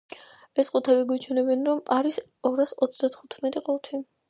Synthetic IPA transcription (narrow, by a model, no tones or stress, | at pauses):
ɛsqʼut̪ʰɛβiɡwit͡ʃʰwɛnɛbɛnɾɔmaɾis | ɔɾasɔt̪sʰd̪at̪ʰχut̪ʰmɛt̪ʼiqʼɔlt̪ʰi